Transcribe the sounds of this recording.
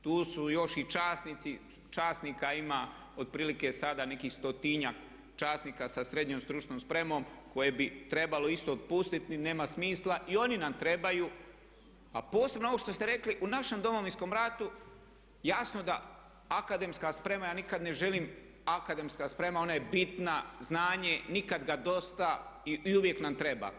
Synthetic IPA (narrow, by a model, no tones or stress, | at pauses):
t̪uːsujo̞ʃit͡ʃaːsnit̪si | t͡ʃaːsnikaima | o̞d̪̚pɾiːlike̞sad̪ane̞kiːxst̪o̞t̪iɲak | t͡ʃaːst̪nikasasɾe̞d̪ɲomst̪ɾut͡ʃnoːmspɾe̞mo̞mko̞jebit̪ɾe̞balo̞ist̪o̞ot̪̚pust̪it̪ine̞ːmasmiːslˠaʔio̞ninamt̪ɾe̞bajuː | a̰po̞ːse̞bnoo̞ʋo̞ʃt̪o̞st̪eɾe̞kliʔunaʃe̞md̪o̞mo̞ʋinsko̞mɾat̪u | jasno̞d̪a | akad̪e̞mskaspɾe̞majaːnikad̪ne̞ʒe̞liːm | akad̪e̞mskaspɾe̞mao̞najebit̪naznaːɲe̞nikad̪ɡad̪o̞st̪aiiuʋjeknamt̪ɾe̞ba̰ː